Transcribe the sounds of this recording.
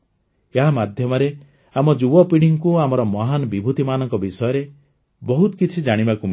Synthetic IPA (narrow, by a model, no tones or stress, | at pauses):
eɦamad̪ʱjɔmɔɾe | amɔd͡ʒubɔpiɽ̃iŋkuamɔɾɔmɔɦanɔbibʱut̪imanɔŋkɔbisɔjɔɾe | bɔɦut̪ɔkit͡ʃʰid͡ʒaɽ̃ibakum